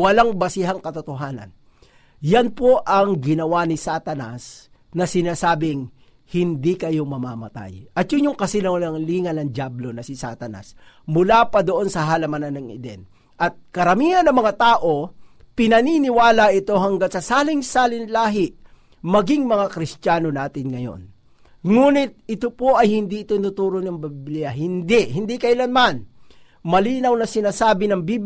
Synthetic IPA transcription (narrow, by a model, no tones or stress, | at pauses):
wɐlaŋbɐsɪɦaŋkɐt̪ot̪oɦaːnɐ̰n | janpoʔɐŋɡɪnɐwanɪsat̪ɐnas | nɐsɪnaːsaːbɪŋ | hɪnd̪ikɐjo̞mɐmamɐ̰t̪a̰jʔɐt̪̚jʊŋjoŋkɐsɪnɐnɐŋliːŋɐnɐŋd͡ʒablo̞nɐsɪsa̰t̪ɐna̰smʊlaːpɐd̪oʔo̞nsɐɦɐlɐmananːɐŋɪ̰d̪ɛ̰n | ʔɐt̪̚kɐɾɐmiːhɐnːɐŋmɐŋat̪aːʔo̞pɪnɐninɪwaːlɐʔɪt̪o̞ɦɐŋɡaŋsɐsaːlɪŋsaːlɪnlaːɦɪʔ | mɐɡɪŋmɐŋakɾɪst̪aːno̞naːt̪ɪnŋɐjo̰n | ŋuːnɪt̪̚ɪt̪opoʔɐjhɪnd̪iʔɪt̪onʊt̪uːɾonɐŋbbliɐɦɪnd̪ɪʔɦɪnd̪ikɐɪlanman | mɐliːnɐwnɐsɪnaːsaːbɪnɐŋbib